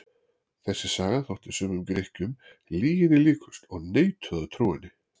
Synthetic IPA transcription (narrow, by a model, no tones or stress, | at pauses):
θɛsːɪ̥saːɣaθɔwht̪ɪ̥sœmʏmkɾehcʏm | liːɣɪðɪliːkʰʏst̪ɔɣneːjt̪ʰœðat̪ʰɾuːɪnɪ